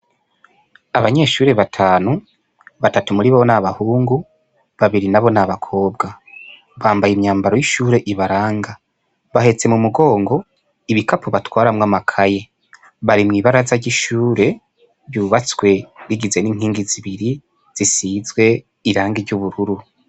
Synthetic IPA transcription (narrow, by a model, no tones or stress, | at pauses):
aβaɲe̞ːʃuːɾe̞βatʰaːnu | βatatumuɾiββonaβahuːŋɡu | βaβiɾinaβo̞naβakʰo̞ːbɡa | βaːmbajimɲaːmbaɾo̞jiʃuːɾe̞ʔiβaɾaːŋɡa | βaɦe̞t͡se̞mumuɡo̞ːŋɡo̞ | iβikapoβatwaːɾamŋamakʰaje̞ | βaɾimŋiːβaɾazaɟiʃuːɾe̞ | βjuːβat͡swe̞ɾiɡize̞niːŋ̥hiːŋɡiziβiɾi | z̥isiːzɡwe̞ | iɾaːŋɡiɾɟuβuɾuɾu